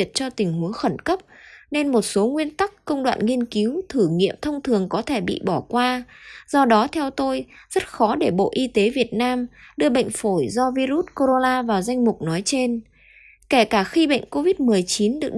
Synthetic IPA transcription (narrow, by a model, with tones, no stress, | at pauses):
ət̚t͡ɕɔ˧t̪ï˨˩ŋ̟ɦu˨˦əxə˧˩nkə˦˥p̚ne˧nmo˨˩t̚so˨˦ŋwi˧ənt̪a˦˥kːə˧wŋ͡mɗwa̰ː˧˨nŋi˧ənki˨˦wt̪ʰɨ˧˩ŋḭ˧˨əmt̪ʰə˧wŋ͡mt̪ʰɨ˨˩əŋkɔ˨˦t̪ʰe˧˩ɓḭ˧˨ɓɔ˧˩kwaː˧z̥ɔ˧ɗɔ˨˦t̪ʰɛ˧wt̪o˧jz̥ə˦˥t̚xɔ˨˦ɗe˧˩ɓo̰˧˨ʔi˧t̪e˨˦vi˨˩ət̚naː˧mɗɨ˧əɓə̰˧˨ŋ̟fo˧˩jzɔ˧vi˧zu˦˥t̚ko˧ɾo˧naː˧vaː˨˩wza˧jŋ̟mʊ˨˩k͡p̚nɔ˨˦jt͡ɕe˧n | ke˧˩kaː˧˩xi˧ɓə̰˧˨jŋ̟ko˧vi˦˥t̚mɨ˨˩əjt͡ɕi˨˦nɗɨ˨˩ə